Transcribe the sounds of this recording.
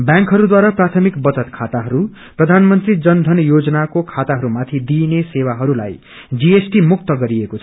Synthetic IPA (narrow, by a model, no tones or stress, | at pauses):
bjãŋkɦʌɾud̪waɾaprat̪ʰʌmikbʌt͡sʌt̪kʰat̪aɦʌɾu | prʌd̪ʱanmʌnt̪rid͡zʌnd̪ʱʌnjod͡zʌnakokʰat̪aɦʌɾumat̪ʰid̪inesewaɦʌɾula̰j | d͡ziesʈimuk̚t̪ʌɡʌɾiekot͡sʰʌʌ